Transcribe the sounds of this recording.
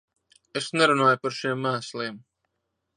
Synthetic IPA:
esnɛɾunaːjupaɾʃiɛmːæːsliɛːm

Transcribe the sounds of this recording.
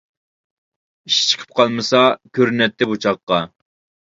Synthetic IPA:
iʃt͡ʃʰə̥qʰə̥p̚qʰɑlˠmɨsɑkʲʰøɾnɛt̪ʰːɪbut͡ʃʰɑqːɑ

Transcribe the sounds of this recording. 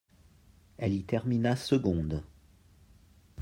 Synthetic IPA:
ɛlit̪ɛʁminasəɡɔ̃d̪

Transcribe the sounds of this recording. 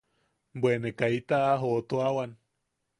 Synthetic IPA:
bwenekait̪aːɦot̪oawan

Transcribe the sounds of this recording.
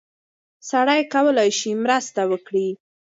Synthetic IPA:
saɽajkawəlajʃimɾəst̪awəkɽi

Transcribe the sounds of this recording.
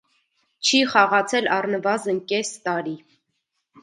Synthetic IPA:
t͡ʃʰiχɑʁɑt͡sʰɛlɑrnəvɑzənkɛst̪ɑɾi

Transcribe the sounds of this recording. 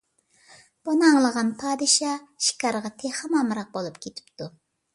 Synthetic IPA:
b̥unɨɑŋlˠəʁɑnpʰɑːd̪ɨʃɑʃi̥kʲɑɾʁɑt̪ʰehɑmɑmɾɑq̚bolˠupkʲʰet̪ʰɪ̥pt̪ʰu

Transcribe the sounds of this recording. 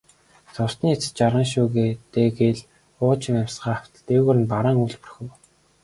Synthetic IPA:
t͡sʊst̪niːet͡s̆t͡ɕaɾʁə̆ŋʃ̬uːɣeːt̪eːɡeɮ | ʊːt͡ɕɪ̆mæmʲsɢaːaw̥t̪ə̆ɮt̪eːɣuːɾɘ̆npaɾaːŋuɮpɵr̆xʲɘ̆w

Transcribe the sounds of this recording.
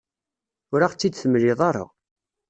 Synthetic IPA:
ʊɾaχt͡sːid̪θəmliðˤɑɾˤa̰

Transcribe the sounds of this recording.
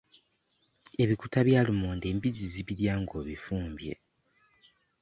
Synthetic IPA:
e̞βikutaβjaːlumoːnde̞ːmbiziziβiɾjaːŋɡo̞ːβifuːmbje̞̰

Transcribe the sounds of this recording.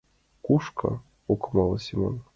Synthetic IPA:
kuʃkɑ̰ | okɤmɑlˠɤsʲimo̰n

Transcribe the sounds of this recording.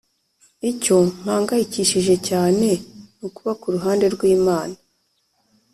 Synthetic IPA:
ico̞m̥haːŋɡahiciʃiʒe̞caːne̞nukuβakuɾuɦaːnde̞ɾɡwiːmaːna

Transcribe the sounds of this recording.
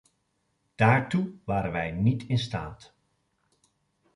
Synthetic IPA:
d̥aːɹtuʋaːɾənʋɛjnitʰɪnsta̰ːt

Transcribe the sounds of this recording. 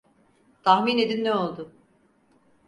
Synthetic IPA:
t̪ʰahmine̞d̪inːɛo̞lˠd̪ʊ

